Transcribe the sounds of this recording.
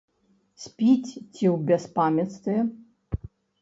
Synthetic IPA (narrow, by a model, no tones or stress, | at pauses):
sʲpʲit͡sʲt͡sʰʲiwbʲɛspamʲjɐt̪st̪ɨjɛ